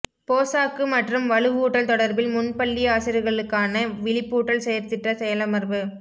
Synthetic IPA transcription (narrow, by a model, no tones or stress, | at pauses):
poːsaːkːɯmɐʈrɯmʋɐɭɯɣuːʈːɐlt̪ɔɽɐɾbɪlmʊnpɐɭːiaːsɪɾɯɣɐɭɯkːaːnɐʋɪɭɪpːuːʈːɐlsɛjɐɾt̪ɪʈrɐsɛjɐlɐmɐɾbɯ